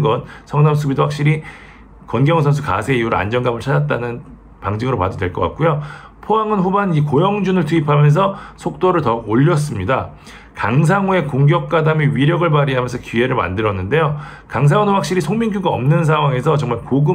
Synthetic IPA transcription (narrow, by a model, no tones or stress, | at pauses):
ɡʌnsʰʌŋnamsʰubidowak̚ɕ͈iɾi | kʌnɡjʌŋsʰʌns̬ʰuka̰sʰe̞ijuɾa̰nd͡ʑʌnɡamɯɭt͡ɕʰadat̚t͈anɯn | paŋd͡ʑiŋɯɾopa̰dodwe̞ɭk͈ʌk͈a̰k̚k͈ujo | pʰoɦaŋɯnɸubanikojʌŋd͡ʑunɯɭtʰuipʰamjʌns̬ʰʌsʰok̚t͈oɾɯɭtʌoʎːʌs̬͈ɯmɲida | kaŋs̬ʰaŋue̞koŋɡjʌk̚k͈adameɥiɾjʌɡɯɭpaɾiɦamjʌnsʰʌkie̞ɾɯɭma̰ndɯɾʌnːɯnde̞jo | kaŋs̬ʰaŋɯnɸwak̚ɕ͈iɾisʰoŋmiŋɡʰuɡaʌmnɯns̬ʰaŋɦwaŋe̞sʰʌt͡ɕʌŋmaɭkoɡɯ